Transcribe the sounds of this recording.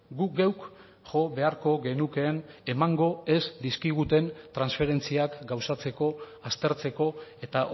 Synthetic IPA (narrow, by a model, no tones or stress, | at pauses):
ɡuɡewk | ʝo̞βe̞aɾko̞ɣe̞nuke̞ːne̞maŋɡo̞e̞zd̪iskiɣ̞ut̪e̞nt̪ɾansfe̞ɾe̞nt͡siakɡawsat͡se̞ko̞ | ast̪e̞ɾt͡se̞ko̞e̞t̪a